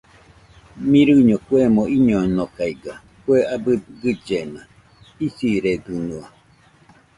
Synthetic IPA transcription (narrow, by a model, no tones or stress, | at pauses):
mĩɾɨɲokuemõiɲonokaiɡa | kueʔabɨɡɨd͡ʒena | isiɾeɡɨnua